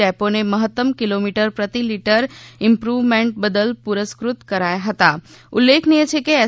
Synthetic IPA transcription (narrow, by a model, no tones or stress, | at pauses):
ɛpõneməɦət̪ːəmkɪlomiʈəɾpɾət̪ilɪʈəɾɪ̃mpɾuʋmẽɳʈ̚bəd̪əlpuɾəskɾʊt̪kəɾajaɦət̪a | ʊlːekʰnijet͡ʃʰekeɛː